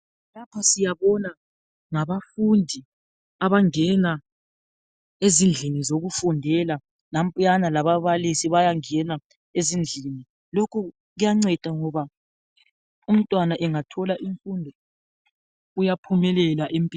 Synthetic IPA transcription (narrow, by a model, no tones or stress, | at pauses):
lapʰasijaβɔna | ŋaβafundʱi | aβaŋɛna | ezind͡ɮʱinizoɣufundʱɛla | nam̩pʼanalaβaβalisiβajaŋɛna | ezind͡ɮʱini | lokʰu | ɣujaŋ͡ǀɛd̥ʼʱaŋɔβa | um̩tʼwanaʔɛŋatʰɔlaʔiɱfundʱɔ | ujapʰumɛlɛlaʔempʼi